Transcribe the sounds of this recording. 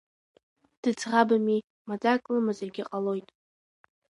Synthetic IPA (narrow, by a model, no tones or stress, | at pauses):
d̥ɨd͡zʰʁabami | mad͡zakʼlɨmazarɡʲɪqʼalo̞jtʼ